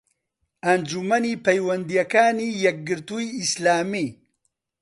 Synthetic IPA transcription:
ɐnd͡ʒumɐnipɐjwɐnd̪ijɐkaːnijɛk̚ɡɨɾt̪uiislaːmi

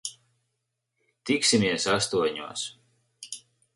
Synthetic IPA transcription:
t̪iksimiɛsast̪uɔɲuɔs

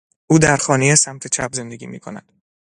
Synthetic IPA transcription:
ʔuːd̪æɾxɒːnejesæmt̪ʰe̞t͡ʃʰæbze̞nd̪e̞ɡʲiːmḭːkʰo̞næ̰d̪̥

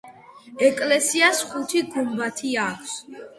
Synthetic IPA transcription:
ɛkʼlɛsiasχut̪ʰiɡumbat̪ʰiakʷʰs

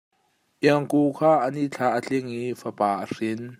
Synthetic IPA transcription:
ʔiəŋkukʰaːʔəniʔt͡ɬʰaʔət͡ɬiŋifəpaːʔərin

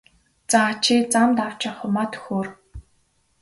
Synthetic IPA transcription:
t͡sat͡ɕʰit͡samt̪aw̥t͡ɕăχʊmat̪ɵ̥xoːr

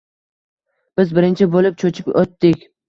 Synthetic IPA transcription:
b̥ɪzbɪɾɪnt͡ʃʰɪbolɪp̚t͡ʃʰot͡ʃʰɪkʲot̪ːɪkʲ

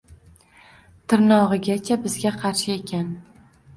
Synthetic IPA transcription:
t̪ʰɪɾnɒʁɨɡʲat͡ʃʰabɪzɡʲaqʰɑɾʃɪe̞kʲʰan

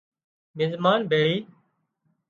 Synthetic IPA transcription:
mɪzmaːnbʱeːɭiː

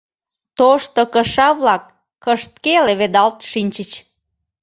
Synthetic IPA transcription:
t̪oʃt̪okəʃɑβlɑkː | əʃt̪̚keleβed̪ɑlt̪ʃinʲt͡ɕət͡ɕ

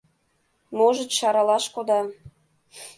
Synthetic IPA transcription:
moʒətʃɑɾɑlɑʃkod̪ɑ

